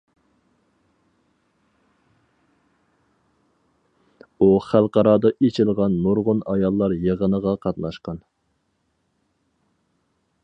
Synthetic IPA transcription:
uχælˠqɑɾɑːd̪ɑʔet͡ʃʰɪlˠʁɑnːoɾʁʊnɑjɑlˠːɑɾjeʁənəʁɑqʰɑt̪nɑʃqɑn

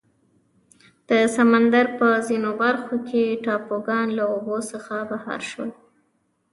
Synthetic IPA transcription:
d̪̥əsamand̪aɾpəzinobaɾxokʰeʈɑpoɡɑnlaobosəxabahɑ̰ɾʃwə̰l

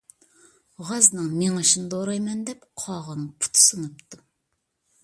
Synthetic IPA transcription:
ʁɑznɨŋmeŋɨʃinɨd̪oɾɑjmɛnd̪ɛp̚qʰɑʁɑnpʰu̥t̪ʰsɨnɨp̚t̪ʰːu

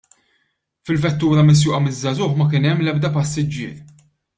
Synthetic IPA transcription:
fɪlvɛt̪ːuːɾɐmɪs̬jʊːʔɐmɪzːɐzʊːħmɐkɪːnɛmːlɛb̚d̪ɐpɐsːɪd͡ʒːɪ̰ːɾ

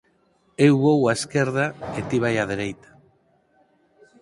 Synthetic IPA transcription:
ewβowaeskeɾð̞aet̪iβ̞ajað̞eɾejt̪ḁ

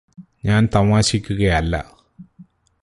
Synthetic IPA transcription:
ɲaːnt̪ɐmaːɕikʲːuɣɐjɐlːɐ̰

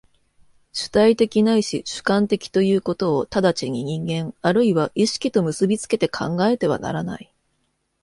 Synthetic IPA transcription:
ɕɨ̥t̪ait̪e̞kʲinaiɕiɕɨ̥kãnt̪e̞kʲi̥t̪o̞jɯ̟ːko̞t̪o̞ːt̪ad̪at͡ɕiɲ̟iɲ̟ĩŋɡẽ̞ŋaɾɯ̟iβaʔiɕi̥kʲit̪o̞mɯ̟sɨbʲit͡sɨ̥ke̞t̪e̞kʰã̰ŋɡae̞t̪e̞β̞a̰na̰ɾana̰i

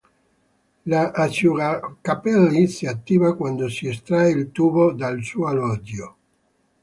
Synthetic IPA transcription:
laʔːt͡ʃuɾakapɛlːisiat̪ːiːvakwand̪osiest̪ɾaeilt̪uːbod̪alsuoalɔd̪jo

